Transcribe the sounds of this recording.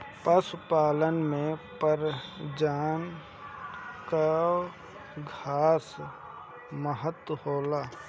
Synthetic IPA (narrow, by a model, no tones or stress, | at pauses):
pəsʊpaːlənmẽpəɾd͡ʒaːn | ka | ɡʱaːs | məɦət̪wəhoːlaː